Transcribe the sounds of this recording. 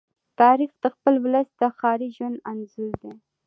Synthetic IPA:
t̪ɑɾixd̪̥əxpəlwləst̪d̪əxɑɾiʒwananzuɾd̪e

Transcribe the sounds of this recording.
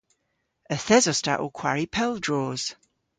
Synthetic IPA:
əθɛzɔsta̰ʔo̰kʰw̥a̰ɹipʰɛlˠdɹoːz̥

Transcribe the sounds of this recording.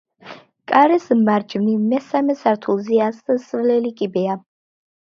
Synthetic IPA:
kʼaɾɛsmaɾd͡ʒmnimɛsamɛsaɾt̪ʰulˠziassvlɛlikʼibɛa

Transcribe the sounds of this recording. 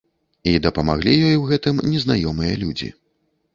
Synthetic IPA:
id̪ɐpɐmaɣlʲijɔjwɣɛt̪ɨmnʲɛznajɔmɨjɐ̰lʲud͡zʲḭ

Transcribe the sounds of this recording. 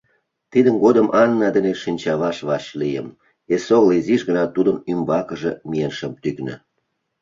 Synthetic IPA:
t̪id̪ənɡod̪əmʔɑnːɑd̪ə̆neʃinʲt͡ɕɑβɑʃβɑʃlijə̰m | esoɣliziʃɣənɑt̪ud̪əmymbɑkə̆ʒĕmijenʃə̆mt̪yknə̰̆

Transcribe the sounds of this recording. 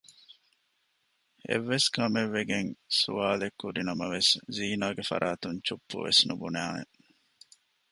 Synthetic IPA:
ḛʋːeskɐmeʋːeɡeŋsṵʋaːlekːuɾinɐmɐʋesziːnaːɡefɐ̰ɾʔaːt̪uɲt͡ʃupːṵʋḛsnṵbunæːnḛ

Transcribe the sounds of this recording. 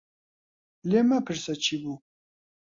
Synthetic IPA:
leːmɐpʰɨɾsɐt͡ʃʰibu

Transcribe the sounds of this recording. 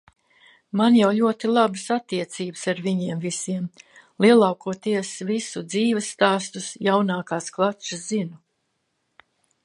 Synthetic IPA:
manjawlʲuɔt̪ilˠabɨsat̪ːiɛt̪siːbɨsaɾviɲiɛmvisiɛm | lˠiɛlˠawkuɔt̪iɛsvisud̪ziːvɨsːt̪aːst̪usjawnaːkaːsklˠat͡ʃɨszinu

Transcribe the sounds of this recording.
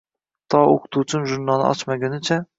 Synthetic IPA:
t̪ʰɒoqʰʊ̥t̪ʰut͡ʃʰɪmʒʊɾnɒnɪ̰ʔɒ̰t͡ʃmaɡʲanɪt͡ʃʰa

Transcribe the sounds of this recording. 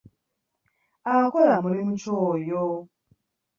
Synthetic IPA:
akɔɾamuɾimut͡ʃojo

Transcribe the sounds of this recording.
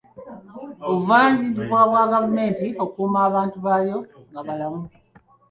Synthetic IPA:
oβuvaːɲziziβwaːβwaːɡavume̞ːntiokuːmaːβaːntuβajo̞ŋɡaβalamu

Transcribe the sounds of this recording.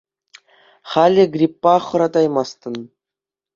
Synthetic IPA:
χɑlʲɘ̆ɡrʲipːɑχɤ̆ɾɑd̪ɑjmɑst̪ɤ̆n

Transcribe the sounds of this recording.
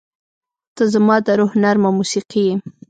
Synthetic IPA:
t̪əzəmɑd̪əɾʊhnaɾmawmusiqije

